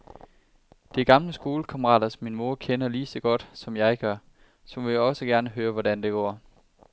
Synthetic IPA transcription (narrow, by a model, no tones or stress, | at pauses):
d̥e̝ɡ̥ɑ̈mləsɡ̥o̝ːləkʰɑ̈məʁɑ̰̈ːdɐsɒmːinmo̝ɐkʰenɐliːsɒɡ̥ɒ̽d̥sɒ̽mjɑ̈ɪɡ̥ɶɐ | sɒ̽mʋe̝ɒ̽səɡ̥æɐnəɦøːɐʋɒdænd̥e̝ɡ̥ɒ̰ː